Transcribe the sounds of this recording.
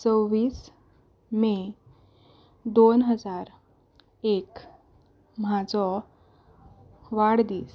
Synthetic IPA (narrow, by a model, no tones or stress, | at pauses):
t͡səwʋiːs | me | d̪onɦəd͡zaɾ | ek | mad͡zɔ | ʋaɽd̪iːs